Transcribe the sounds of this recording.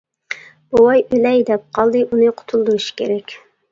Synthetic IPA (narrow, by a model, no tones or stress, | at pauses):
bowɑjølɛjd̪ɛp̚qʰɑlˠd̪ɨʔunɨqʰʊ̥t̪ʰulˠd̪uɾɨʃi̥kʲḛɾɛkʲ